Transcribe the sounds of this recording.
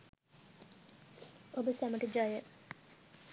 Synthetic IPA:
obəsæməʈəd͡ʒajə

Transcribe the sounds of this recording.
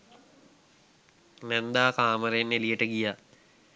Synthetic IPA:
nɛnd̪aːkaːməɾeenːelijəʈəɡijaː

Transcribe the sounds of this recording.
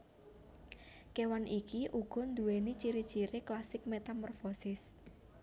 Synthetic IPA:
kewanʔikiʔuɡ̥ɔ̤nd̪uwenit͡ʃiɾit͡ʃiɾɪklasɪk̚met̪amɔrfɔsɪs

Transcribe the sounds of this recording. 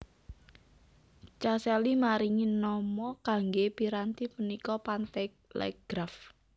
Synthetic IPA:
t͡ʃasɛlimaɾiŋinɔmɔkaŋɡepiɾant̪ipənikɔpant̪ɛ | lɛ̰ɡ̥ɾaf

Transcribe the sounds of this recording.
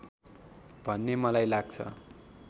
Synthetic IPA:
bʱʌnːemʌlajlaɡ̚t͡sʰʌ̰

